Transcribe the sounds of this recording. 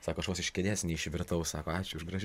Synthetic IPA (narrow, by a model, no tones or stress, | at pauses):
sɑːkoːɐʃʋoːsɪʃʲkʲɛd̪ʲæːsnʲɛɪʃʲʋʲɪɾt̪ɐʊssɑːkoːɑːt͡ʃʲʊʊʒɡɾɐʒʲ